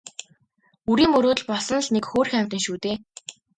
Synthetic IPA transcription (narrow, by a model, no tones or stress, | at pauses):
uɾiːmɵɾoːt̪̆ɮpɔsɞ̆nɮnekxoːrxæm̥ʲt̪ə̆ŋʃuːt̪eː